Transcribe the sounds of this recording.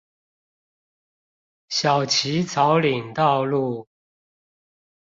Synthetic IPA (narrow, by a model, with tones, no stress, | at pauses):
ɕjɑ˨˩ʊt͡ɕʰi˧˦t͡sʰɑ˧˥ʊli˨˩ŋt̪ɑ˥˧ʊlu˥˩